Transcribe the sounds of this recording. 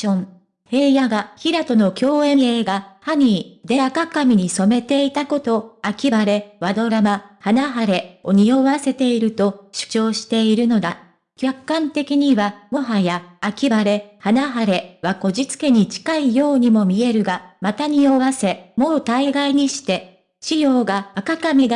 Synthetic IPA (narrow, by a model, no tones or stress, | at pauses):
õŋ | he̞ːjaɡaçiɾat̪o̞no̞kʲo̞ːẽ̞e̞ːɡahaɲ̟iːd̪e̞akakamʲiɲ̟iso̞me̞t̪e̞it̪ako̞t̪o̞akʲibaɾe̞βad̪o̞ɾamahanaɦaɾe̞o̞ɲ̟io̞βase̞t̪e̞iɾɯ̟t̪o̞ɕɨ̥t͡ɕo̞ːɕi̥t̪e̞iɾɯ̟no̞d̪a | kʲakːãnt̪e̞kʲiɲ̟iβamo̞ɦajaːkʲibaɾe̞hanaɦaɾe̞βako̞ʑit͡sɨ̥ke̞ɲ̟it͡ɕi̥kaijo̞ːɲ̟imo̞mʲie̞ɾɯ̟ɡamat̪aɲ̟io̞βase̞mo̞ːt̪aiɡaiɲ̟iɕi̥t̪e̞ | ɕijo̞ːɡaːkakamʲiɡa